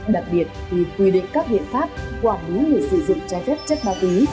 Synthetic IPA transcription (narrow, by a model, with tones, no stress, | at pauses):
ɗa˨˩k̚ɓi˨˩ət̚t̪ʰi˨˩t̪wi˧˩ɗḭ˧˨ŋkaː˦˥k̚ɓḭ˧˨nfaː˦˥p̚kwaː˧˩nɓi˨˦le˧˩sɨ˧˩zʊ̰˧˨ŋ͡mt͡ɕaː˧zə˦˥t̚t͡ɕə˦˥t̚ɓaː˧˦wki˨˦